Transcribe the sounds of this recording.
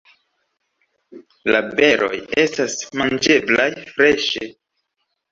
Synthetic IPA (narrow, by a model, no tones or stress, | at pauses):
labe̞ɾʔo̞̰je̞stasmand͡ʒe̞blajfɾe̞ʃe